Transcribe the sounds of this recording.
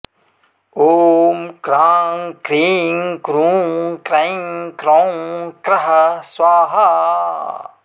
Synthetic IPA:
oːmkɾaːŋkɾiːŋkɾuːŋkɾɐjŋkɾokɾɐɦɐswaːɦɐ

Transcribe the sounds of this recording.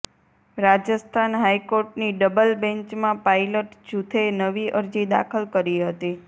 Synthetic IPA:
ɾad͡ʒəst̪ʰanɦaikoɾʈniɖəbəlbɛ̃ɲt͡ʃmãpailəʈd͡ʒut̪ʰenəʋiʔəɾd͡ʒid̪a̰kʰəlkəɾiɦət̪i

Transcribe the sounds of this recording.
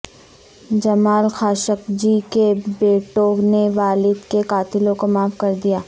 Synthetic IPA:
d͡ʒɐmaːlxaːʃəkd͡ʒikebeːʈoːneʋaːlɪd̪kekaːt̪ɪlõkomaːfkɐɾd̪ijaː

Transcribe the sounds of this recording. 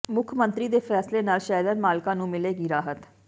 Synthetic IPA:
mʊkʰmənt̪ɾiːd̪eːpʰɛːsleːnaːlʃɛːɾənmaːlkãːnũːmɪleːɡiːɾaːɦət̪

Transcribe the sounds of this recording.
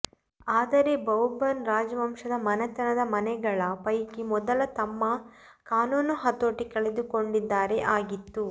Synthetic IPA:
aːd̪ɐɾe̞bɐwbɐnɾaːd͡ʒɐʋɐmʂɐd̪ɐmɐnɐt̪ɐnɐd̪ɐmɐnɛɡɐɭɐpɐjkimɔd̪ɐlɐt̪ɐmːɐkaːnuːnuɦɐt̪oːʈikɐɭed̪uko̞ɳɖid̪ːaːɾeʔaːɡit̪ːu

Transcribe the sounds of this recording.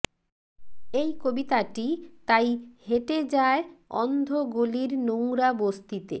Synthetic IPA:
ejkobit̪aʈit̪ajheʈed͡ʑaeɔnd̪ʱoɡoliɾnowɾabost̪it̪ḛ

